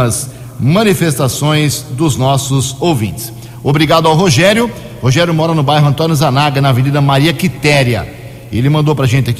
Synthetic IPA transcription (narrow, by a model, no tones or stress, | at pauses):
ɐz | mɐ̃nifest̪asõj̃zd̪ʊznɔsʊzowvḭ̃nt͡ʃ̪ɪ̥s | obɾiɡad̪ʊawɦoʒɛɾjʊ | hoʒɛɾjʊmɔɾɐnʊbajɦʊɐ̃nt̪õnjʊzanaɡɐnɐvenid̪ɐmaɾiɐkit̪ɛɾjɐ̰ | ḛlɪmɐ̃nd̪owpɾɐʒẽnt̪ɪaki